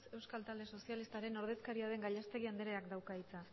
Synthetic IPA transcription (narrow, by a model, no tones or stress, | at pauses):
se̞wskalt̪ald̪e̞so̞sialist̪aɾe̞no̞ɾð̞e̞skaɾiaðe̞ŋɡaʎast̪e̞ɣ̞iand̪eɾe̞akd̪awkait͡sa